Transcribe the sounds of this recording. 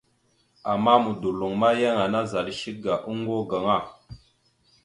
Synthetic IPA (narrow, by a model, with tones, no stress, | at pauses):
a˨ma˦mu˨du˨lu˨ŋma˦je˦ŋa˨na˦za˨lʃi˦k̚ɡa˨ʔu˦ŋɡo˦ɡə˨ŋa˦˨